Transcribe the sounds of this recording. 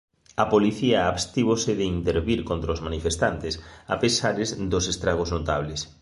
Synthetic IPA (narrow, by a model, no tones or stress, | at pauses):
ɐpoliθiɐːβst̪iβosɪðɪint̪eɾβiɾkont̪ɾaozmanifest̪ant̪ɪsa̰pesaɾezd̪ʊsest̪ɾaɣ̞oznot̪aβlɪs